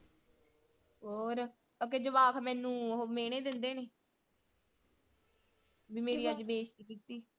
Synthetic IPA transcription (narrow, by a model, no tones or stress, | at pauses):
ɦoːɾ | t̪oːk̬eːd͡ʒəʋaːkʰmɛ̃ːnũːɦoːmeːɽ̃eːd̪ɪnd̪eːneː | biːmeːɾiːəd͡ʒbeːt͡ʃt̪iːkit̪ːiː